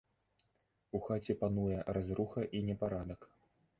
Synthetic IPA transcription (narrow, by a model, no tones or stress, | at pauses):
uxat͡sʲɛpanujɛrazɾuxɐʔinʲɛpaɾad̪ɐk